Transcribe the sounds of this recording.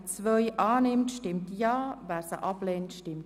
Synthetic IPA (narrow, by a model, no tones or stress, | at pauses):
t͡svœʏʔɑːnɪmtʃtɪmtjɑːvæːɾsə̰ʔɑplɛːntʃtɪmt